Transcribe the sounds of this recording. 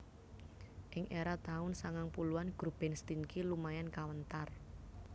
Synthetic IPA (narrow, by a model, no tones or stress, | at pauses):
ʔɪŋʔeɾat̪aʊnsaŋaŋpuluanɡ̥ɾub̥ɛ̤nst̪inkilumajankawənt̪ar